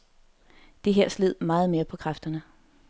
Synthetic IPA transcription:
d̥e̝ɦeɐ̰sleð̞̰ˠmɑ̈ːð̞̩ˠme̝ːɐpʰɒ̽kʰʁafd̥ɐnə

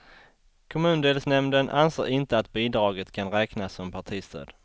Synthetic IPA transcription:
kʰɔmʉ̟ːnd̪eːlsnɛmnd̪ənʔa̰nsḛːɾɪnt̪əat̪biːd̪ɾɑːɡət̪kʰanɾɛːknasɔmpʰaʈʰiːst̪ʰø̰ːd̪̥

